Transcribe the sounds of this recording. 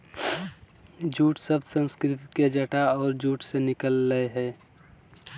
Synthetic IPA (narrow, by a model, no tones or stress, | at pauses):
d͡ʒuːʈsəbsə̃nskɾɪt̪iked͡ʒəʈaɔːɾd͡ʒuːʈsenɪkəlːəeɦɛː